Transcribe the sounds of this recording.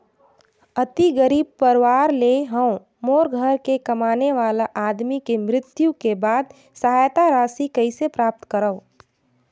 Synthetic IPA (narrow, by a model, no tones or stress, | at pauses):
ət̪iɡəɾiːb̚pəɾʋaːɾleɦəw̃ | moːɾɡʱəɾkekɐmaːneʋaːlaʔaːd̪mikemɾɪt̪jukebaːd̪̚ | səɦaːjt̪aɾaːsikɐisepɾaːp̚t̪kəɾəʊ